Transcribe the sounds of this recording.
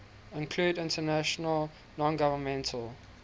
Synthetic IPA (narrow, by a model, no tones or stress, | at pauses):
ɪ̃nkʰl̥uːdɪ̃ntənæʃənəl | nɔ̃nɡavəmɛ̃ntʰəlˠ